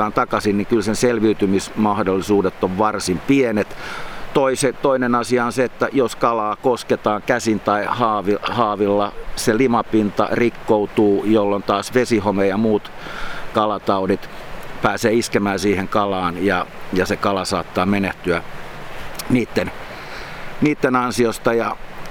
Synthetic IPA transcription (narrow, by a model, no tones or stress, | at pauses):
ɑːnt̪ɑkɑsinnikylsenselʋiyt̪ymismɑhdolːisuːdet̪ːoʋʋɑrsimpienet̪t̪oiset̪oinenɑsiɑonseet̪ːæjoskɑlɑːkosket̪ɑːŋkæsint̪ɑihɑːʋihɑːʋilːɑselimɑpint̪ɑ̰rikːout̪uːjolːont̪ɑːsʋesihomejɑmuːt̪ | kɑlɑt̪ɑudit̪pæːseːiskemæːnsiːheŋkɑlɑːnjɑjɑsekɑlɑsɑ̰ːt̪ːɑːmeneht̪yæ | niːt̪ːen | niːt̪ːenɑnsiost̪ɑjɑ